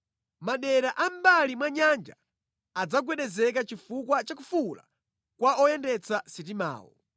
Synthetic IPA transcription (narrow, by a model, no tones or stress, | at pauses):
maɗɛɾaʔam̩balimwaɲand͡ʒa̰ː | d͡zaɡwɛɗɛzɛkat͡ʃifukwat͡ʃakufula̰ | kwaɔjɛndɛt͡sasit̬ima̰ːwɔ̰